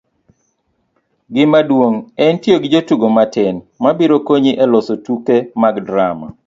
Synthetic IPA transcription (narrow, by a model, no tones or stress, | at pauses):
ɡɪmadwoŋɛntjoɡɪd͡ʒotuɡomatɪn | mabiɾokoɲiʔɛlɔsotukemaɡdɾama̰